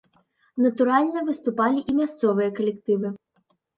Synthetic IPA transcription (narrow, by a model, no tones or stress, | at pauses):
nɐt̪ʊɾɑlʲnɔʋɪst̪ʊpɑlʲiʔimʲɐst̪sɔʋɔjɐkɔlʲekt̪ɪʋɪ